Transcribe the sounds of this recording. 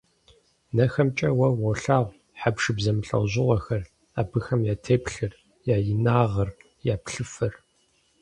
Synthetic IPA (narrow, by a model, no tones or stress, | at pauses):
nɐxɐmt͡ʃʼɐwɐwɔɬaːʁʷ | ħapʂɨbzɐmɨɬʼɐ̰wʑɪʁʷɔxɐr | aːbɨxɐmjaːtʰeːpʰɬɨr | jaːjɪnaːʁɐr | jaːpɬɨfɐr